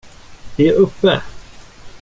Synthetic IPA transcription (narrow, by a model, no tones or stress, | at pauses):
d̪̥ɛæɾɵpːə̰